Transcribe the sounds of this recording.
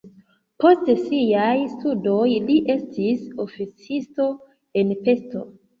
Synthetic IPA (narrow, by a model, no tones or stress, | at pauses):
po̞stsijajstudo̞jliʔe̞stʰiso̞fit͡sisto̞ | e̞npe̞sto̞